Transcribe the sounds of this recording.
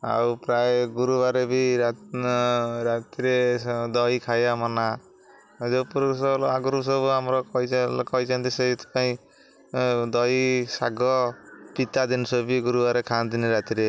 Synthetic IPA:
a̰wpɾajeɡuɾubaɾebiɾa | ɾat̪iɾed̪ɔjkʰajamɔna | d͡ʒɔpuɾsɔlaɡuɾusɔbuamɾɔkɔjkɔit͡ʃʰant̪isejt̪ɔ̥paĩ | d̪ɔjsaɡɔpit̪ad̪insɔbiɡuɾubaɾekʰand̪iniɾat̪iɾe

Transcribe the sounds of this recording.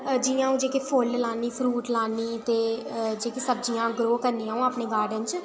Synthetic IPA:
d͡ʒɪjãːũːd͡ʒeːkepʰoːllaːniːpʰɾuːʈlaːniːt̪eːd͡ʒeːkesəb̚d͡ʒijãːɡɾoːkəɾniãːũːaːpneːɡaːɾɖənt͡ʃ

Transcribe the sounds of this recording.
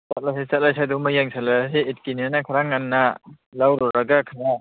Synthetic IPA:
sat̚lajsajsat̚lajsʰajdɔŋmajaŋsʰalaɦeet̚kinianakʰaɾaŋːanːa | lawɾɔɾaɡakʰaɾa

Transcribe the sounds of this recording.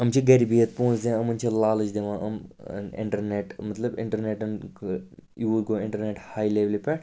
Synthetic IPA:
ɐmt͡ʃʰiɡɐɾibiət̪̚põːt͡ʃd̪eãɐmɐnt͡ʃʰilaːlɨt͡ʃd̪eʋãːʔɐ̰m̰nɪ̰̃ɳʈəɾneʈmɐt̪ləbɪ̰̃ɳʈəɾneːʈɐn | juːʋuɖɡoːɪ̃ɳʈəɾneʈhaːjleːʋlipɛ

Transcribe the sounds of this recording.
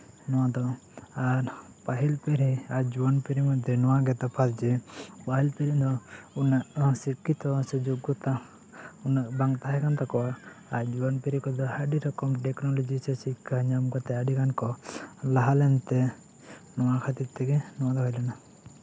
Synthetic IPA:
nɔwad̪ɔ | aɾ | paɦilpeɾiad͡ʒuɔnpeɾimɔd̪ʱenɔwaɡɛt̪apʰasd͡ʒɛpaɦilpeɾind̪ɔunanɔasikːit̪ɔsɛd͡ʒoɡɔt̪a | unabaŋt̪aɦɛkant̪akɔaːɾd͡ʒuɔnpeɾikɔd̪ɔhaɖiɾɔkɔmʈeknɔlɔd͡ʒisɛsikːaɲamɡɔt̪ɛaɖikankɔlaɦalɛnt̪ɛ | nɔwakʰat̪it̪ːɛkɛnɔwad̪ɔɦɔjlɔna

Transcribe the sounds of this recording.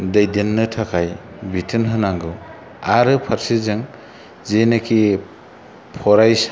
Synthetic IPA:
dɐjdenːɯtʰakʰaj | bitʰɯnɦɯnaŋɡɯ | aɾɯpʰaɾsizɯŋ | zenɯkʰi | pʰɔɾajs

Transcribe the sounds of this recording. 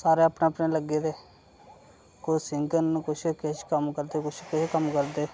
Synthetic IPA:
saːɾeːapɳeːpneːləɡeːd̪eː | kosɪŋɡənkʊt͡ʃʰkeʃkəmkəɾd̪eːkʊt͡ʃʰkɪʃkəmkəɾd̪eː

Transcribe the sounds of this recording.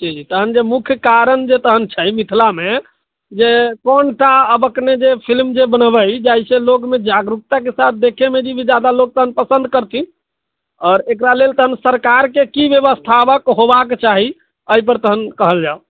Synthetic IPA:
d͡ʒid͡ʒit̪əɦənd͡ʒemukʰjkaɾənd͡ʒet̪əɦənt͡ʃʰəjmit̪ʰlame | d͡ʒekɔnʈaəbəkned͡ʒepʰilmd͡ʒebənəbəjd͡ʒaisẽlokmed͡ʒaɡɾuk̚t̪ak̬esat̪̚ʰd̪ekʰemed͡ʒibʱid͡ʒad̪alok̚t̪əɦənpəsənd̪̚kəɾt̪ʰin | ɔːɾekɾalelt̪əɦənsəɾkaɾkekibjəβəst̪ʰapəkɦobaket͡ʃaɦi | əip̬əɾt̪əɦənkəɦəld͡ʒao

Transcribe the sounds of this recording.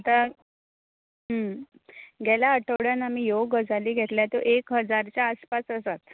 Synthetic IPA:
ət̪a | ɦə | ɡʱɛlaəʈʰəʋɽjanam̤iːjoɡəd͡zaliːɡʱet̪ljat̪oʔekɦəd͡zaɾt͡ɕjaːspasəsat̪

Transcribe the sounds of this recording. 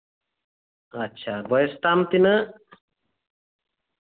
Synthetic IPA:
atːt͡ʃʰabɔjst̪amt̪inə

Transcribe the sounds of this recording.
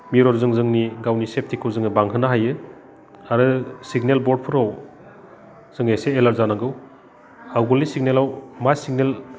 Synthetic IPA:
miɾɔɾzɯŋzɯŋniɡawnisep̚tʰikʰɯwzɯŋɯbaŋɦɯnaɦajɯ | aɾɯsiɡnelbɔɾd̚pʰɯɾɔw | z̥ɯŋeseːlaɾzanaɡɯw | hawɡɯlisiɡ̚nelawmasiɡnel

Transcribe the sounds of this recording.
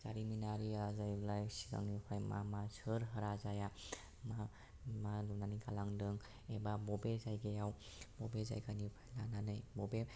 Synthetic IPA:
zaɾiminaɾiazajblajsiɡa̰ŋnipʰajma̰masəɾɦəɾazaja | ma | malunanikalaŋdɯŋ | ebabɔbezajɡejaw | bɔbeza̰jkanipʰajlananɯjbɔbe

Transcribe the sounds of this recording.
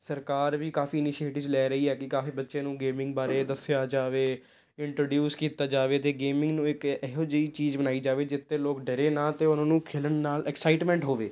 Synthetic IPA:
səɾkaːɾʋiːkaːfiːɪnɪʃieːʈɪːd͡ʒlɛːɾəiːɛːkɪkaːfiːbətːʃẽːnũːɡeːmɪ̃ŋɡ̚baːɾeːd̪əsɪjaːd͡ʒaːʋeː | ɪɳʈɾoːɖjuːskiːt̪aːd͡ʒaːʋeːt̪eːɡeːmɪ̃ŋɡnũːɪkɛɦod͡ʒəiːt͡ʃiːzbənaːiːd͡ʒaːʋeːd͡ʒɪt̪ʰːeːloːkɖəɾeːnaːt̪eːʊnãːnũːkʰeːlənnaːlɛksaːɪʈmɛ̃ːɳʈɦoːʋeː

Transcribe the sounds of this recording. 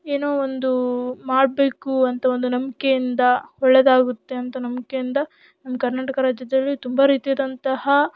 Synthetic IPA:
eːnoːond̪umaːɽbe̞ːkuɐnt̪ɐo̞nd̪unɐmke̞jind̪ɐhɔɭːed̪aːɡut̪ːe̞ɐnt̪ɐnɐmkejind̪ɐ | nɐmːɐkɐɾnaːʈɐkɐɾaːd͡ʒjɐd̪ɐlːit̪umbɐɾiːt̪ijaːd̪ɐnt̪ɐhɐ

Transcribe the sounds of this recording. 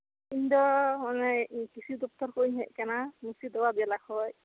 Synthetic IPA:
indɔmanɛkisʰudɔp̚tɔɹkojɦɛʔkɛnamusidɔwabialakɔj

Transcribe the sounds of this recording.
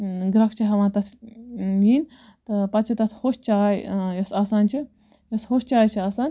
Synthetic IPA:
ɡɾɐkʰt͡ʃʰiɦɐʋãːt̪ɐt̪ʰjiːnʲ | t̪ɐpɐt͡ʃʰit̪ɐt̪ʰhoʃt͡ʃaːjjɐsaːsaːnt͡ʃʰi | joshoːʃt͡ʃaːjt͡ʃʰiaːsaːnʲ

